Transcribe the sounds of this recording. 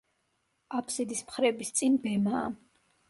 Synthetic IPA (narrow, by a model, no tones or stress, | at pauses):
apʰsid̪ismχɾɛbist̪sʼinbɛma̰ː